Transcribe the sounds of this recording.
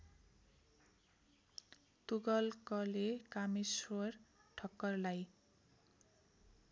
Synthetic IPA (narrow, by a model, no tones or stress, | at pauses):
t̪uɡʌlkʌlekamiswʌrʈʰʌkːʌrlaj